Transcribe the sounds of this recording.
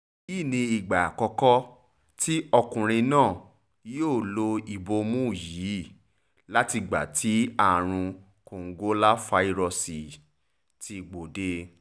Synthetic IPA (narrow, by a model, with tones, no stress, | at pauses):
i˦˨nĩ˧i˨ɡ͡ba˨a˨kɔ˧kɔ˦ | ti˦ʔɔ˧kũ˨ɾ̃ĩ˧nãː˦˨ | joː˦˨lo˧i˨bo˧mũ˦˨ji˨˦˨ | la˦ti˧ɡ͡ba̰˨tʰi˨˦a˦˨ɾ̃ũ˧ | ko˨ŋ̩˦ɡo˦la˦fa˧˦i˦ɾɔ˧si˨ | ti˧ɡ͡bo˨de˧˦